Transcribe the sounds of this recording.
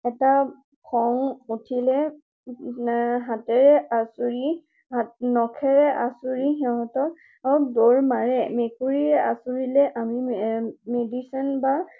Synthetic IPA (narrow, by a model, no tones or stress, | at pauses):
ɛta | kʰɔŋutʰilɛ | ɦatɛɹɛʔasuɹi | anɔkʰɛɹɛʔasuɹiɦɛɦɔtɔ | adoɹmaɹɛmekuɹiɹɛʔasuɹilɛʔamimedisɔnba